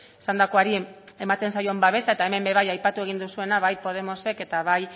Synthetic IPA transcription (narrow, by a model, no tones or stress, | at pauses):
sand̪ako̞aɾie̞mat̪e̞nsajo̞embaβe̞sae̞t̪aeme̞mbe̞βajajpat̪ue̞ɣ̞ind̪usue̞naβajpo̞ð̞e̞mo̞se̞ke̞t̪aβaj